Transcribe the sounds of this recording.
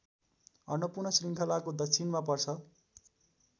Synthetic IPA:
ʌnwʌpurnʌsriŋkʰʌlakod̪ʌkt͡sʰinmapʌrt͡sʰʌ

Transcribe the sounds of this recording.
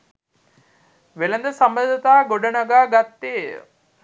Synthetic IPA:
ʋelɐnd̪ɐsɐmbənd̪ɐt̪aːɡoɖɐnɐɡaːɡat̪ːḛː

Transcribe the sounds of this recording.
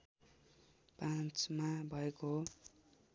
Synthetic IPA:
pãt͡smabʱʌekoɦo

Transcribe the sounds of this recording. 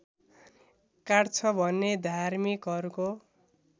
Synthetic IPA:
kaɽt͡sʰʌbʱʌnːed̪ʱarmikɦʌɾuko

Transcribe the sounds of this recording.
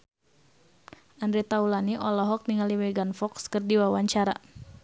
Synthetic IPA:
ʔandɾit̪aulaniʔɔlɔɦɔk̚niŋaliwɛɡanfɔkskərdiwawaɲt͡ʃaɾa̰

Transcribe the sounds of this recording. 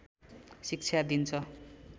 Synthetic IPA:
sik̚t͡sʰjad̪int͡sʰʌ

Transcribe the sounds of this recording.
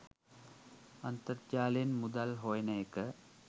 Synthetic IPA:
ɐnt̪əɾd͡ʒaːlenmud̪ɐlɦojnɐekə

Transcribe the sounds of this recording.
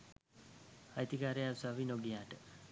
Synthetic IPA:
ajt̪ikaːɾejasaʋinoɡijaːʈə

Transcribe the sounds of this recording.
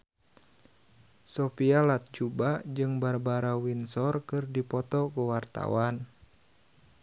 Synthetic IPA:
sɔpialat̪̚d͡ʒubad͡ʒɨŋbarbaɾawinsɔrkɨrdipɔt̪ɔkuwart̪a̰wan

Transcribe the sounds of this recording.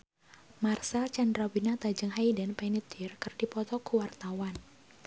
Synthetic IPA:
marsalt͡ʃandɾawinat̪ad͡ʒəŋɦaidənpɛnit̪irkərd̥ipɔt̪ɔkuwart̪awan

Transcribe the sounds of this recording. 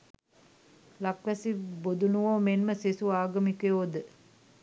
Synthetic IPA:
lakʋæsibod̪unuʋoːmenməsesuaːɡəmikeod̪ə

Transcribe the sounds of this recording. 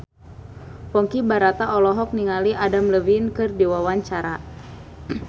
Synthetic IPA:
pɔŋkibaɾat̪aʔɔlɔɦɔk̚niŋaliʔadamləwinkɨrdiwawaɲt͡ʃaɾa

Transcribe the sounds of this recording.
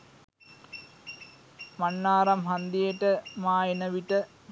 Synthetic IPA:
mɐnːaːɾɐmɦɐnd̪ijeʈəmaːjenɐʋiʈə

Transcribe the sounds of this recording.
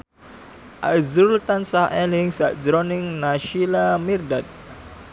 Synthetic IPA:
ʔa̰zuult̪ansahɛlɪŋsaʔd͡ʒɾɔnɪŋnaʃilamirdat̪̚

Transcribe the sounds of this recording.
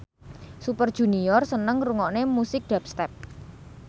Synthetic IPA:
supərd̥ʒ̥ṳniɔrsənəŋruŋɔʔnemusɪk̚ɖ̥ɛpst̪ɛp̚

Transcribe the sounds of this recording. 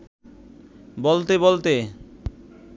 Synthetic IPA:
bolt̪ebolt̪e

